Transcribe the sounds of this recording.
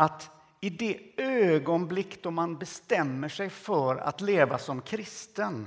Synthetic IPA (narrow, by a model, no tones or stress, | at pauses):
at̪ | ɪd̪ɛøːɡɔnblɪkːd̪ɔmanbɛst̪ɛmːəʂɛjfœɾa̰t̪leːvasɔmkʰɾɪst̪ən